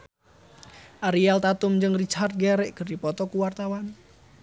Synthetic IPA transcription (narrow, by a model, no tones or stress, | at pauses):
ʔaɾialt̪at̪ʊmɲd͡ʒəŋrit͡ʃart̪̚ɡɛɾɛʔɡ̥ə̤ɾipɔt̪ɔkuwart̪awan